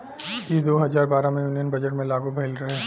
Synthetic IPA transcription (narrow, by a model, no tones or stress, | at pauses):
jed̪oːɦɐzaːɾbaːɾamẽjuːnijənbɐd͡ʒəʈmẽlaːɡubʱeɪlɾɐɦeː